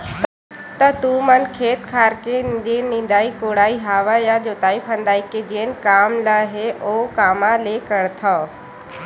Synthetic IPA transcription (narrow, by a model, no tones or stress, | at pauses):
t̪ɐt̪ũmənkʰeːt̪kʰaːɾked̪enĩnd̪aːikoːɽaːiɦaːʋajad͡ʑoːt̪aːipʰə̃nd̪aːiked͡ʑeːnɪ̆kaːmlaɦeʔoːkaːmãleːkɐɽt̪ʰaː